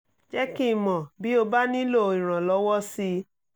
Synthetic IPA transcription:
d͡ʒɛ˦ki˦˨mɔ̃˨bi˦o˧ba˦nĩ˦lo˦˨ĩ˨ɾ̃ã˨lɔ˨˧˦wɔ˦si˧

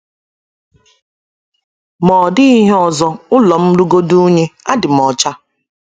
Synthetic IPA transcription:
mɔː˨dɪ˦i˦ɦe˦ɔ˨zɔ˦ʊ˦lɔ˨m̩˦lu˦ɡo˦du˦ɲe˦a˦dɪ˨m˨ɔ˨t͡ʃa˦

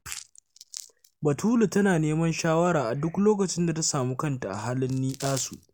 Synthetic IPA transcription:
bɐ˨tʰuː˦lu˨tɐ˦naː˨neː˦mɐ˦nʃaː˦wɐ˦ɽaː˨ʔa˨dʊ˦kloː˦kɐ˨t͡ʃɪ˦nda˨ta˦saː˨muː˦kɐ˦nta˨ʔa̰˨ɦaː˦lɪ˦nːiː˦ʔaː˦su˨ʔ

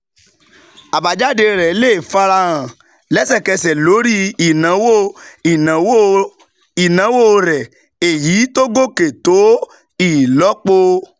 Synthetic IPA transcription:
a˨ba˨d͡ʒa˦de˧ɾɛ˨˦le˦e˨fa˧ɾa˧ɾã˨ | lɛ˦sɛ˦˨kɛ˧sɛ˨lo˨˦ɾi˦i˨nã˨˦wo˦˨i˨nã˨˦wo˦ | i˨nã˨˦wo˦˨˧ɾɛ˨ | e˨jiː˨˦to˦ɡo˦ke˨to˨˦ | i˦˨lɔ˨˦k͡po˧

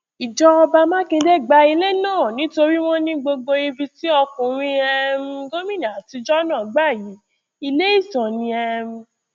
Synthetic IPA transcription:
i˨d͡ʒɔ˧ɔ˧ba˧mã˦kĩ˧dɛ˦˨ɡ͡ba˧i˧le˦nãː˦˨nĩ˨˦to˧ɾi˦w̃ɔ̃˦nĩ˦ɡ͡bo˧ɡ͡bo˧i˧bi˧ti˦ɔ˧kũ˨ɾ̃ĩ˧ɛ˧m̩˦˧ɡo˦mĩ˦na˨ti˧d͡ʒɔ˦nãː˦˨ɡ͡ba˦˨ji˨˦ | i˧le˦i˦˨sã˨nĩ˧ɛ˧m̩˧

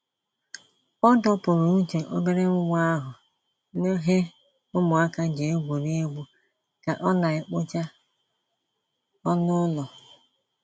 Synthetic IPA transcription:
ɔ˦dɔ˦pʊ˨ɾʊ˨n̩˦t͡ʃe˨ʔo˦be˦ɾe˦ŋʊ˦ŋʷ˦a˦ɦʊ˨ | ne˦ɦe˦ | ʊ˦mʊ˨a˦ka˦d͡ʒe˨e˦ɡʷu˨ne˦e˦ɡ͡bʷu˦ | ka˨ʔɔ˦na˨ɪ˨k͡pʊ˦t͡ʃa˦ | ɔ˦nʊ˦lɔ˨

